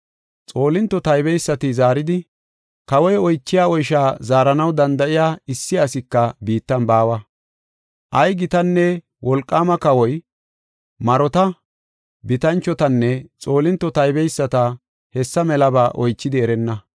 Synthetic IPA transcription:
t͡sʼo̞ːlɪnt̪ːɔt̪ɐjbɛjsːɐt̪ɪzaːɾɪd̪ɪ | kɐwɔjɔjt͡ʃːɪjaːɔjʃaːzaːɾɐnɐwd̪ɐnd̪ɐʔɪjaːɪsːɪɐsɪkːɐbiːt̪ːɐnbaːwɐ | ʔɐjɡɪt̪ɐnːɛ | wʔɔlkʼːaːmɐkɐwɔj | mɐɾɔt̪ɐ | bɪt̪ɐnt͡ʃːɔt̪ɐnːɛt͡sʼo̞ːlɪnt̪ːɔt̪ɐjbɛjsːɐt̪ɐ | hɛsːɐmɛlɐbaːʔɔjt͡ʃːɪd̪ɪɛɾɛnːɐ

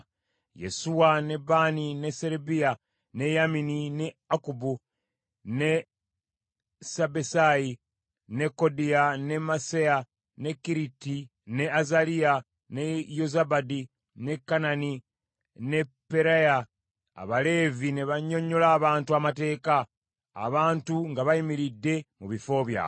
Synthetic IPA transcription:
jḛsuwane̞baːnine̞seɾebija | ne̞jaminine̞akubu | ne̞ | sabesaji | ne̞kːo̞dijane̞maseja | ne̞kːiɾiti | ne̞azalija | ne̞jozabadi | ne̞kːanani | ne̞pːeɾaja̰ː | βale̞ːvine̞βaɲːo̞ɲːo̞laːβaːntuamate̞ːka̰ː | βaːntuŋɡaβaimiɾidːe̞muβifo̞ːβja̰ː

